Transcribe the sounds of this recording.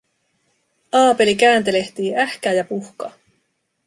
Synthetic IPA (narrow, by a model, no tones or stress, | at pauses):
ɑːpe̞likæːnt̪e̞le̞ht̪iːʔæhkæːjɑpuhkɑː